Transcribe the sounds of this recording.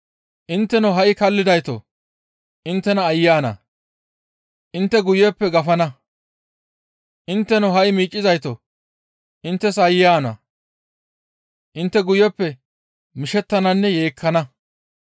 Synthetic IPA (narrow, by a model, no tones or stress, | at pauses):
ʔɪnt̪ːɛnoɦɐʔɪkɐlːɪd̪ɐjt̪o̰ | ʔɪnt̪ːɛnɐːjːaːnɐ̰ | ʔɪnt̪ːɛɡʊjɛpːɛɡɐfɐnɐ | ʔɪnt̪ːɛnɔɦɐjmiːt͡ʃʼːɪzɐjt̪o | ʔɪnt̪ːɛsɐjːaːnɐ̰ | ʔɪnt̪ːɛɡʊjɛpːɛ | mɪʃɛt̪ːɐnɐnːɛjeːkʰːɐnɐ